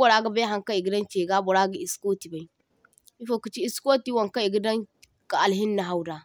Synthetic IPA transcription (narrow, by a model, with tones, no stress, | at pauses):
o˨ɾa˦ɡa˦ba˦ɦa˦ŋka˦i˨ɡi˦dɐ˦nt͡ʃe˨ɡa˦bo˨ɾa˦ɡa˦˨i˨sko˦ti˨ba˨i˦ | i˦fo˨ku˨t͡ʃi˦i˦sko˦ti˦wa˨ŋka˦i˨ɡi˦dɐ˦n | ka˨a˨lɦi˦nːa˨ɦa˨wda˨